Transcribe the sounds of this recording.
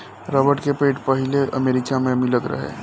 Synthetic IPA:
ɾɔbəʈkepeːʈpəɦileʔəmeːɾɪkamẽmɪlət̪ɾə̰ɦḛː

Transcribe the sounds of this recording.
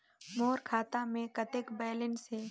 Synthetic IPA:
moːɾkʰaːt̪amẽkɐt̪ɪkbɛːlɪnse

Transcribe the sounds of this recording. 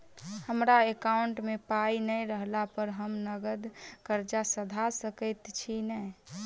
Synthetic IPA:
həmɾaekaʊɳʈmepainəjɾəɦlapəɾɦəmnəɡəd̪kəɾd͡ʒasəd̪ʱasəkət̪t͡ʃʰinɛj

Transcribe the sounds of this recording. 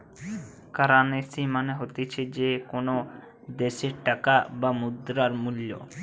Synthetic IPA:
kaɾanesimaneɦot̪et͡ɕʰed͡ʑekono | d̪eʃeɾʈakabamud̪ɾaɾmuljo̰

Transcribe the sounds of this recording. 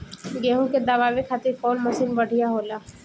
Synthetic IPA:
ɡeːɦũked̪ɐʋaːʋekʰaːt̪ɪɾkɔːnmɐsiːnbɐɽ̤ʱijaɦoːlaː

